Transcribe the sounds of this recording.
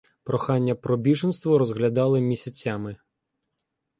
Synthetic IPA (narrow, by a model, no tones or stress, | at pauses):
pɾɔxɑnʲːɐpɾɔbʲiʒɪnst̪ʋɔɾɔzɣlʲɐd̪ɑlˠɪmʲisʲɐt͡sʲamɪ